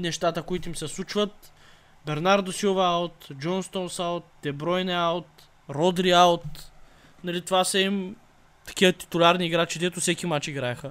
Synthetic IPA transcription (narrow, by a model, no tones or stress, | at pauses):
nɛʃt̪at̪əkʊit̪ʊimsɛslˠut͡ʃvət̪ | bɛɾnaɾd̪osilˠvɐalˠt̪d͡ʒɔnst̪ɔnsalˠt̪̚ːɛbɾɔjnɛalˠt̪ | ɾɔd̪ɾialt̪ | nɐlit̪ovasəim | t̪ɐ̥k̟iət̪i̥t̪ʊlʲaɾniːɡɾat͡ʃid̪ɛt̪ʊsɛkimat͡ʃiɡɾaɛxə